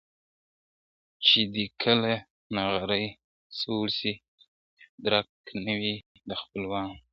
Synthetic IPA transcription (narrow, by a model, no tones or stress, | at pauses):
t͡ʃed̪ikʰəla | naɣaɾəj | solsi | d̪ɾaknawi | d̪əxpəlwɑn